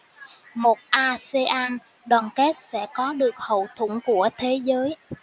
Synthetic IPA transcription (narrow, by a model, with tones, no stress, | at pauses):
mo˨˩t̚ʔaː˧se˧ʔaː˧n | ɗwaː˨˩nkɛ˦˥t̚sɛ̰˧˥kɔ˨˦ɗɨ˨˩ək̚hə̰˧˨wt̪ʰṵ˧˩nku˧˩ət̪ʰe˨˦zəː˨˦j